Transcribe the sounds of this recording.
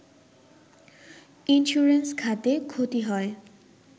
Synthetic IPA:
inʃuɹenskʰat̪ekʰot̪iɦɔe

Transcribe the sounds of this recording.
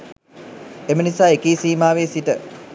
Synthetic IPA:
emənisaːekeːsiːmaːʋeːsiʈə

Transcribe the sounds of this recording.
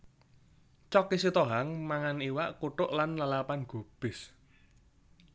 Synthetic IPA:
t͡ʃɔkisit̪ɔɦaŋmaŋaniwaʔkuʈʊʔlanlalapanɡ̥ṳb̥ɪ̤s

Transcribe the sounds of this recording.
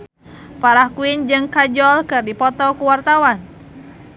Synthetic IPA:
faɾahkuind͡ʒɨŋkad͡ʒɔlkɨrdipɔt̪ɔkuwart̪awan

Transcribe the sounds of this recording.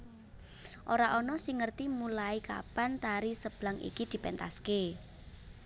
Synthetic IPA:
ʔoɾaʔɔnɔsɪŋːərt̪imulaika̰pant̪aɾisəb̥laŋḭkid̪̥i̤pɛnt̪a̰ske

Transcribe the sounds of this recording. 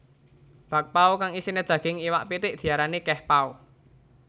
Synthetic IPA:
b̥a̤k̚paukaŋisined̥ʒ̥ä̤ɡ̥ɪŋiwaʔpit̪ɪʔd̪̥i̤aɾanekɛhpau

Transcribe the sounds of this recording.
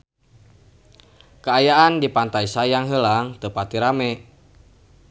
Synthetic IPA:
kəajaʔandipant̪aisajaŋɦəlaŋt̪əpat̪iɾamɛ

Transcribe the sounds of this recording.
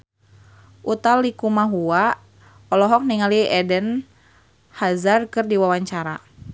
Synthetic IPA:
ʔut̪alikumaɦua | ɔlɔɦɔk̚niŋaliɛdən | hazarkɨrdiwawaɲt͡ʃaɾa

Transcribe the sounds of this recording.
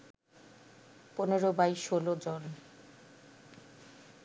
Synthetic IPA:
poneɾobajʃolod͡ʑon

